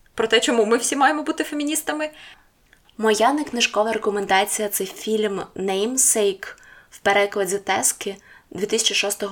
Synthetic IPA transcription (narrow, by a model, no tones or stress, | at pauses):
pɾɔt̪ɛt͡ʃɔmumɪwsʲimɑjemɔbut̪ɪfe̞mʲinʲist̪ɐmɪ | mɔjaneknɪʒkɔʋɐɾekɔmend̪ɑt͡sʲijɐt̪sɛjfʲilʲmnɛjmsɛjkwpeɾɛklˠɐdʲit̪ɛskɪd̪ʲʋʲit̪ɪsʲɐt͡ʃiʃɔst̪ɔɦ